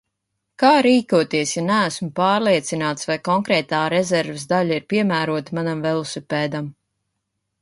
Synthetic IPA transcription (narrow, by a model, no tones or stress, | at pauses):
kaːɾiːkuɔt̪iɛsjanææsmupaːɾlˠiɛt̪sinaːt̪svajkɔŋkɾɛːt̪aːɾɛzɛɾvesd̪aʎaiɾpiɛmæːɾuɔt̪manamvɛlˠusupɛːd̪am